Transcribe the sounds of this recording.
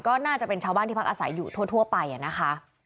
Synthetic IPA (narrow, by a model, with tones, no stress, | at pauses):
kɔː˥˩naː˥˩t͡ɕa˨˩pe˧nt͡ɕʰaː˧wbaː˥˩nt̪ʰiː˥˩a˥kʔaː˧sa˩˦jːuː˨˩t̪ʰu˥˩ət̪ʰu˥˩əpa˧jʔa˨˩na˦˥kʰa˦˥